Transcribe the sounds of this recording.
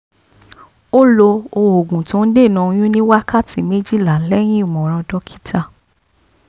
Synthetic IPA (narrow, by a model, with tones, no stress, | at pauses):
o˦lo˧o˧o˨ɡũ˨tũ˨˦n̩˦de˦˨nɔ̃˨˧j̃ũ˦nĩ˦wa˦kʰa˦˨tʰi˨me˦d͡ʒi˦˨la˨lɛ˦j̃ĩ˦i˦˨mɔ̃˨ɾ̃ɔ̃˧dɔ˦kʰi̥˦tʰa˧